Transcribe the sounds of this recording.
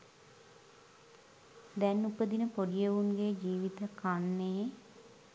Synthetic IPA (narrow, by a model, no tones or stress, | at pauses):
d̪ɛnːupəd̪inəpoɖijeʋunɡeːd͡ʒiːʋit̪əkanːe